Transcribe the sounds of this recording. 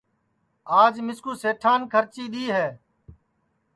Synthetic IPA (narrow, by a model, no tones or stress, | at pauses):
aːd͡ʒmɪskuːseːʈʰaːnkʰəɾt͡ʃiːɗ̪iːɦɛː